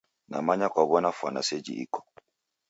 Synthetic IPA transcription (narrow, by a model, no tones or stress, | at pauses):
na̰maɲakwaβɔnafwa̰na̰sɛd͡ʒḭʔḭkɔ̥